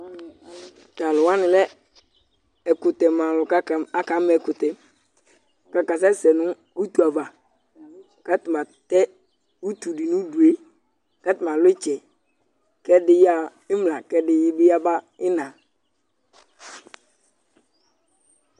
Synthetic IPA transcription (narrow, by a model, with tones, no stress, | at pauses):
ta˨lʊ˨wa˦nɪ̃˨lɛ˦ | ɛ˨kʊ˨tɛ˨mã˨lʊ˨ka˦˨a˦ka˨˦mɛ˨kʊ˨tɛ˨ | ka˨ka˨s̬ɛ˦sɛ˨nʊ̃˦ | u˦tu˨a˨va˨ | ka˦tɪ˨ma˨tɛ˦ | u˦tu˨dɪ˨nʊ̃˦du˨e˦ | ka˦tɪ˨ma˨lɪ˦t͡ʃɛ˨ | kɛ˦dɪ˦ja˦ | ɪ˦mla˨kɛ˦dɪ˦jɪ˦bɪ˦ja˦ba˦ | ɪ˦nã˨